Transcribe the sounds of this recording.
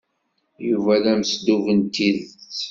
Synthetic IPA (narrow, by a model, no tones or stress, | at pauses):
juvælæməsd̪uvənt̪iðt͡s